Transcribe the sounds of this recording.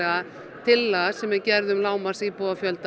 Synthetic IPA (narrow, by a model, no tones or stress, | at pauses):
a | t̪ʰɪlːasɛmːɛðcɛɾðʏmlaːwmarsiːpɔafjœlt̪